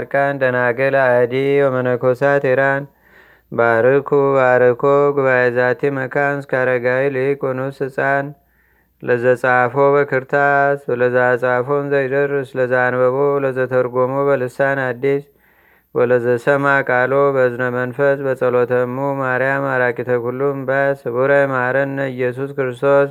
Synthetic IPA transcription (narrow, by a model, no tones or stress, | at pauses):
ɾkʼand̪ənaɡəlad̪iwomənəkʰosat̪eɾan | baɾɨkʰubaɾɨkoɡuβajezat̪ʰiməkʰanskʰaɾəɡawilikonusɨsʼan | ləzət͡sʼafobəkʰɨɾt̪ʰasləzasʼafonzəjdəɾɨsləzanbəβoləzət̪ʰəɾɡomobəlɨsanad̪ːis | wɔləzəsəmakʼalobəznəmənfəsbəsʼəlot̪ʰəmumaɾjamaɾakʼit̪ʰəkulːumbasɨβuɾəjmaɾənːəɨjɛs̬uskɨɾɨst̪ʰo̞s